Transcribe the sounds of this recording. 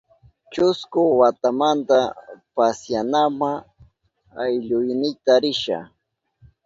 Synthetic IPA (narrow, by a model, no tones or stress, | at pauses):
t͡ʃʊskʊwat̪amant̪apasjanama | ajʎʊjnɪjt̪aɾɪʃa̰